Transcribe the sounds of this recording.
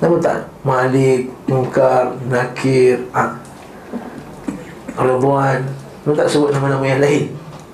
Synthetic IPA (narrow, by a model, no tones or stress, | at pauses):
namut̪a̰ʔ | malɪk̚muŋkarnakʰira | ɾɔd̪oan | amut̪aʔsəbʊt̪̚namanamajanlaɦɪn